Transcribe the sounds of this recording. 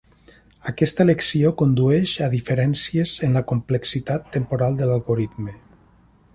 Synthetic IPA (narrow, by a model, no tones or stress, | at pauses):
akɛst̪əleksiokond̪uɛʃaðifəɾɛnsiezənləkumpleksit̪at̪ːəmpoɾalˠd̪əlalˠɣoɾit̪me